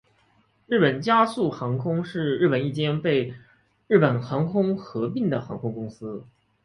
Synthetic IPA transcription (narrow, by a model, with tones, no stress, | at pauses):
ɻɻ̩˥˩pə˨˩nt͡ɕja˥su˥˩xɑ˧˥ŋkʰʊ˥ŋʂɻ̩˥˧ɻ̩˥˩pə˨˩ni˥˩t͡ɕjɛ˥npe˥˧ɪ | ɻɻ̩˥˩pə˨˩nxɑ˧˥ŋkʰʊ˥ŋxɤ˧˥pi˥˩ŋd̪ə˩xɑ˧˥ŋkʰʊ˥ŋkʊ˥ŋsɹ̩˥